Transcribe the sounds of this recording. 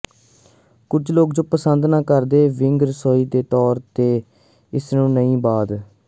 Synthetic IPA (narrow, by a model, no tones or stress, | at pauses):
kʊd͡ʒloːkd͡ʒõːpəsənd̪naːkəɾd̪eːʋɪŋɡɾəsoːiːd̪eːt̪ɔːɾt̪eː | ɪsnũːnəĩːbaːd̪